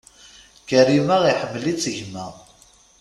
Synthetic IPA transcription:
kəɾimæʁiħəmːlit͡sːəʝmæ

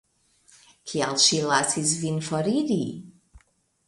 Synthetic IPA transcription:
kʰialʃilasis̬vinfoɾiɾi

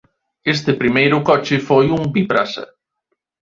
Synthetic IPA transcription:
est̪epɾimejɾʊkɔt͡ʃɪfojumbipɾasɐ̰

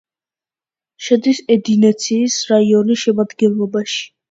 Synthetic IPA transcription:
ʃɛd̪isɛd̪inɛt̪sʰiːsɾaiɔniʃɛmad̪ɡɛnlˠɔbaʃi̥

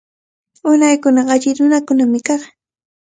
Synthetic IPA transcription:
ʊnajkʊnɑɢaʎɪnʊnakʊnamɪkɑχ

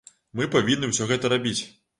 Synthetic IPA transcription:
mɨpavʲinːɨwsʲɔɣɛt̪ɐɾabʲit͡sʲ

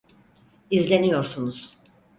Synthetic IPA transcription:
izlʲe̞nijo̞ɾsunuz̥

